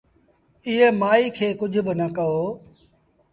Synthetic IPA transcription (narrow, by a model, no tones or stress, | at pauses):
ɪɦemaːiːkʰeːkʊd͡ʒʱʊbɪnəkəoː